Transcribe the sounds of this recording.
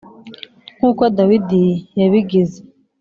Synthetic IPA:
kuːkodawidijaβiɡeze

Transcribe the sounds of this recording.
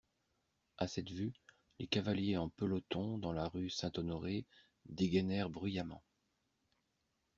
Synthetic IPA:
asɛt̪vy | lekavaljeɑ̃pəlɔt̪ɔ̃d̪ɑ̃laʁysɛ̃t̪ɔnɔʁe | d̪eɡɛnɛʁbʁyjamɑ̰̃

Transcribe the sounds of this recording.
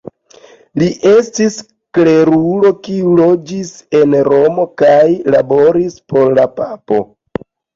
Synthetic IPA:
liʔe̞stis | kle̞ɾulo̞kiulo̞d͡ʒise̞nɾo̞mo̞kajlabo̞ɾispo̞ɾlapapo̞̰

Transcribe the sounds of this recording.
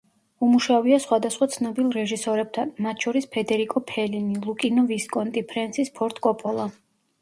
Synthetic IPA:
umuʃaviasχwad̪asχwat̪sʰnɔbilˠɾɛʒisɔɾɛb̚t̪ʰanmat̪ʰʃɔɾispʰɛd̪ɛɾikʼɔpʰɛlinilˠukʼinɔviskʼɔnt̪ʼipʰɾɛnt̪sʰispʰɔɾt̪ʼkʼɔpʼɔlˠa

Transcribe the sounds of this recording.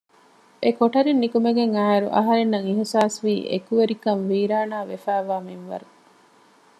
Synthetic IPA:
ʔekoʈɐɾinːikumeɡeŋaːeɾṵʔɐ̰ɦɐɾenːɐŋiɦisaːsʋiːʔḛkuʋeɾikɐnʋiːɾaːnaːʋefæːʋaːminʋɐ̰ɾu

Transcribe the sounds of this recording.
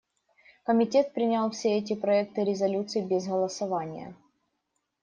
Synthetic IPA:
kəmʲɪtʲe̞t̪̚pɾʲɪnʲalˠfsʲeɛt̬ʲɪpɾɐɛk̚t̪ɨɾʲɪzɐlʲut̪sɨibʲɪzɣəlˠəsɐvanʲɪ̰jə̰

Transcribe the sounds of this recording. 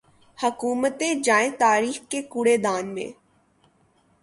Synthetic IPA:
həkuːmət̪ẽd͡ʒaːẽt̪aːɾiːxkekuɽed̪aːnmḛ̃ː

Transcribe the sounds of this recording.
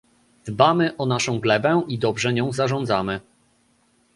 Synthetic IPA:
d̪̥bamɘʔɔnaʂɔ̃w̃ɡlɛbɛʔid̪ɔbʐɛɲɔ̃w̃zaʐɔ̃nd̪zamɘ

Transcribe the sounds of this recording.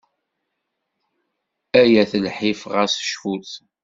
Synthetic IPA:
æjæθəlħɪfʁəsə̥ʃfuθ

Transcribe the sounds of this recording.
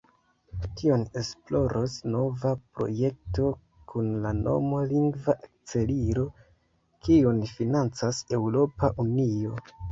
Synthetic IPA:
tio̞ne̞splo̞ɾʔosno̞vapɾo̞̰je̞k̚to̞ | kʰunlano̞̰maliŋɡvaʔek̚t͡se̞liɾo̞ | kiunfinant͡sase̞wɾo̞paʔunio̞

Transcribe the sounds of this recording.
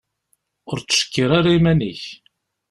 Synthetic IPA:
ʊɾt͡sːə̥ʃə̥kːiɾaɾaimæniç

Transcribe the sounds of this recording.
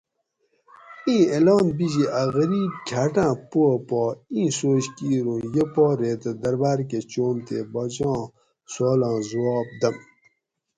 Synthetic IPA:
ĩːelɑːnbid͡ʑiʔaɣəɾiːb̚kʲʰaːʈãːpopɔːĩːsoːɕkiːɾõːjepɔːɾeːt̪ɐd̪ɐɾbaːɾk̬et͡ɕoːmt̪ḛbɔd͡ʑãː | soːlãːzwɔːb̚d̪ɐm

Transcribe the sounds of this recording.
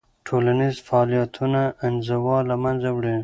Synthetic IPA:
ʈʰolanizfaːlijat̪ʰunaɪnzawɑlamanzawɽi

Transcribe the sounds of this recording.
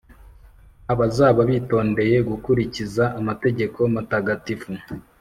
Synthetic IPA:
aβazaβaβiːto̞ːnde̞je̞ɡukuɾicizaʔːmate̞ɟe̞kʰo̞mataɡatifu

